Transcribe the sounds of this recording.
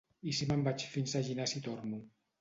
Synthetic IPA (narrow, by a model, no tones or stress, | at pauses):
isimambat͡ʃfinsaʒinasit̪oɾnu